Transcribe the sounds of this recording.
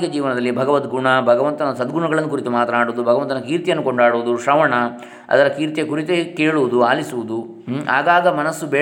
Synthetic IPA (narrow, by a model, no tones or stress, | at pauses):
kɐd͡ʒiːʋɐnɐd̪ɐlːibʱɐɡɐʋɐt̪ɡuɳɐbʱɐɡɐʋɐnt̪ɐnɐsɐd̪ɡuɳɐɡɐɭɐnːukuɾit̪umaːt̪ɾɐnaːɽuːd̪ubʱɐɡɐʋɐnt̪ɐnɐkiːɾt̪ijɐnːuko̞ɳɖaːɽuʋud̪uʃɾɐʋɐɳɐ | ɐ̰d̪ɐɾɐkiːɾt̪jekuɾit̪ekeːɭuʋud̪uaːlisuʋud̪u | a̰ːɡaːɡɐmɐnɐsːubeɛː